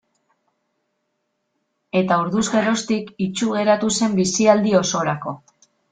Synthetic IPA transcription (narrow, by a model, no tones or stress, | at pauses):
e̞t̪auɾðuzɣe̞ro̞st̪ikit͡ʃuɣe̞ɾat̪use̞mbisiald̪io̞so̞ɾako̞